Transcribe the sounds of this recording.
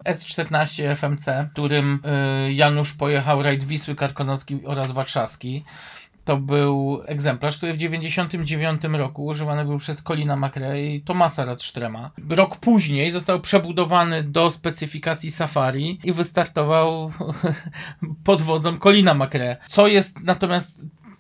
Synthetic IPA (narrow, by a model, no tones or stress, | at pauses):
ɛst͡ʂt̪ɛɾnaɕt͡ɕɛɛfɛmt̪sɛt̪uɾɘmjanuʂpɔjɛxawɾajd̪vʲiswɘkaɾkɔnɔskʲiɔɾazvaɾʂafskʲi | t̪ɔbɘwɛɡzɛmplaʂkt̪uɾɘvd͡ʑevʲjeɲd͡ʑeɕɔnt̪ɘmd͡ʑevʲjɔnt̪ɘmɾɔkuːʐɘvanɘbɘwpʂɛskɔlʲinamakɾɛit̪ɔmasaɾat̪ʂt̪ɾɛmaɾɔkpuʑɲejzɔst̪awpʂɛbud̪ɔvanɘd̪ɔspɛt̪sɘfʲikat̪sʲisafaɾʲiivɘst̪aɾt̪ɔvaw | pɔd̪vɔd̪zɔmkɔlʲinamakɾɛt̪sɔjɛst̪nat̪ɔmʲjast̪